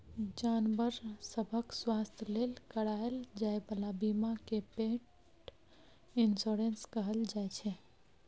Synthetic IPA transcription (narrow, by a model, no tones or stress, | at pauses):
d͡ʒanbəɾsəbʱəkswast̪ʰjəlelkəɽaeld͡ʒaebəlabimakepeʈ | insoɾenskəɦəld͡ʒajt͡ʃʰɛ